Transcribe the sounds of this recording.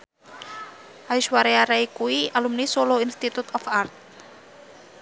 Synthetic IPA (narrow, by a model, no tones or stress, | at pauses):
ʔajʃwaɾeaɾaikuialumnisoloinst̪it̪ut̪ɔfart̪̚